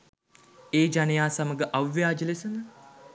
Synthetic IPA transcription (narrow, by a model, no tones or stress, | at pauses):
eːd͡ʒanejaːsaməɡəʔaʋːjaːd͡ʒəlesənə